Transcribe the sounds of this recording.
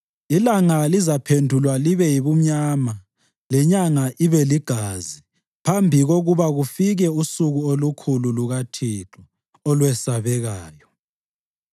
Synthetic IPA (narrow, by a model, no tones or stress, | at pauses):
ilaŋalizapʰendʱulwaliβɛjiβum̩ɲaːma | lɛɲaŋaʔiβɛliɡ̥ʱaːzi | pʰambʱiɣoɣuβaɣufiɣɛusuɣuolukʰululuɣatʰiǁɔ | ɔlwɛsaβɛɣaːjɔ